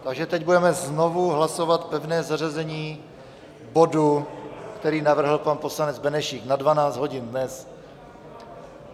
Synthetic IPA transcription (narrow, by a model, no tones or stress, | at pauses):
t̪aɡʒɛt̪ɛɟbudɛmɛznovuɦlasovat̪pɛvnɛːzarɛzɛɲiː | bodukt̪ɛɾiːnavr̩ɦl̩panpo̞slanɛd͡zbɛnɛʃiːknadvanaːt͡sd̪ɦo̞ɟɪnnɛs